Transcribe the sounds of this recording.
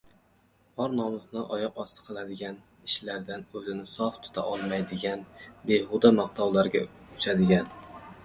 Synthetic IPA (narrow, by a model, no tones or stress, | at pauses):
ɒɾnɒmʊznɪʔɒjɒqɒst̪ɨ̥qʰɨlˠad̪ɪɡʲan | ɪʃlaɾd̪anɵzɪnɪsɒft̪ʰʊ̥t̪ʰa̰ʔɒlˠmajd̪ɪɡʲanbehʊd̪amaqt̪ʰɑwlaɾɡʲa̰ʊt͡ʃʰad̪ɪɡʲan